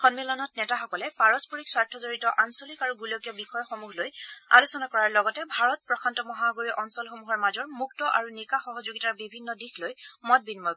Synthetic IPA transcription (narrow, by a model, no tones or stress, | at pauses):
xɔnmilɔnɔt̚nɛtaxɔkɔlɛpaɹɔspɔɹikswaɹtʰɔzoɹitɔʔansolikaɹuɡulokjɔbixɔjɔxomuxloja̰lusɔnakɔɹaɹlɔɡɔtɛbʱaɹɔt̚pɹɔkʰantɔmɔɦaɡuɹiʔɔnsɔlxomuɦɔɹmazɔɹmuk̚tɔʔaɹunikaxɔɦɔzoɡitaɹbibʱinːɔdixlojmɔt̚binmɔ